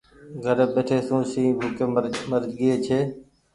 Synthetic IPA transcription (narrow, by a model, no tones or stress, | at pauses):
ɡʱəɾɓeːʈʰeːsũːsĩːbʱuːkeːməɾd͡ʒɠɪeːt͡ʃʰeː